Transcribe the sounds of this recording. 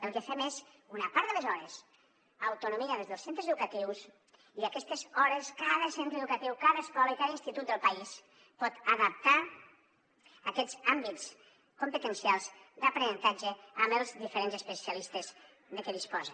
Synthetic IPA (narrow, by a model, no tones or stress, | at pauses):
əlˠkəfɛmezunəpaɾðələzɔɾəs | əwt̪unumiəðəlzðəlˠsent̪ɾəzəðukət̪iws | iəkɛst̪əzɔɾəskaðəsent̪ɾəðukət̪iwkaðəːskɔləikaðəinst̪it̪ut̪̚d̪əlˠpɐis | pɔt̪əðəp̚t̪a | əkɛzambitt͡s | kompət̪ənsialˠzd̪əpɾənənt̪ad͡ʒəəməlˠzðifəɾenzəspəsiəlist̪əz | ðəkəðispɔzə